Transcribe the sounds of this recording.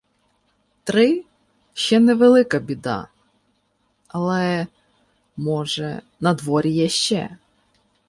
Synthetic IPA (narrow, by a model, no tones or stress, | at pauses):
t̪ɾɪ | ʃt͡ʃɛnɛʋelˠɪkɐbʲid̪ɑ̰ | ɐlˠɛ | mɔʒɛ̰ | nɐd̪ʋɔɾʲijɐʃt͡ʃɛ̰